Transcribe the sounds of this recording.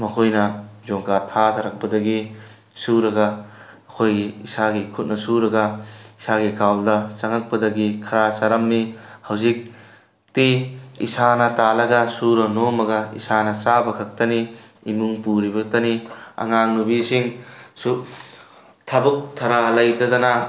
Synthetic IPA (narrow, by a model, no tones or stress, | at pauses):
mɐkʰojnɐd͡ʒoŋkatʰat̪ʰɐɾɐk̚pɐdɐɡi | suɾɐɡɐː | kʰojɡiːsaɡikʰut̚nɐsuɾɐɡɐisaɡikʰawldɐt͡ʃɐŋɐk̚pɐdɐɡikʰɐɾasaɾɐmnihɐwzik̚ | tiḭsanɐtalɐɡɐsuɾɐnomɐɡɐḭsanɐt͡ʃabɐkʰɐk̚tɐni | imuŋpuɾibɐtɐniɐ̰ŋaŋnubisiŋsu | tʰabuk̚tʰɐɾalɐjtɐdɐnɐ